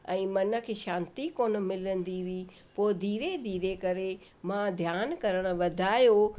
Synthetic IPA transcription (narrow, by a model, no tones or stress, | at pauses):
ɛ̃ːmɐnə̆kʰeːʃãːnt̪ikoːnə̆mɪlənd̪iʋi | poːd̪ʱiːɾed̪ʱiːɾekɐɾe | mãd̪ʱjaːnkɐɾəɽ̃ə̆ʋɐd̪ʱaːjo